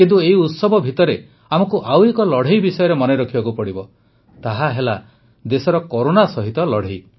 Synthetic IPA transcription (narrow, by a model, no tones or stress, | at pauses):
kint̪ueɦiut̪sɔbɔbʱit̪ɔɾe | amɔkuʔawekɔlɔɽ̤ejbisɔjɔɾemɔneɾɔkʰibakupɔɽibɔ | t̪aɦaɦela | d̪esɔɾɔkɔɾonasɔɦit̪ɔlɔɽ̤ej